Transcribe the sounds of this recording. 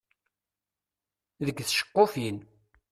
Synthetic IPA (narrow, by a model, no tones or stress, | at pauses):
ðəɡθʃə̥qːofin